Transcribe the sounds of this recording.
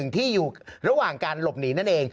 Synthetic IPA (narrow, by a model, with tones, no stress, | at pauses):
ɯ˨˩ŋt̪ʰiː˥˩juː˨˩ɾa˧waː˨˩ŋkaː˧nlo˨˩p̚niː˩˦na˥˩nʔeː˧ŋ